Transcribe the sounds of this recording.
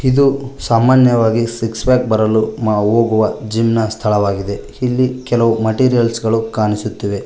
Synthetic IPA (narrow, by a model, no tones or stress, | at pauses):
id̪usaːmaːnjɐʋaːɡisiksbaːk̚bɐɾɐlumaːoːɡuʋɐd͡ʒiːmnɐst̪ʰɐɭɐʋaːɡid̪e̞ | ilːikɛlɐʋumɐʈiːɾijɐlsɡɐɭukaːnisut̪ːiʋe̞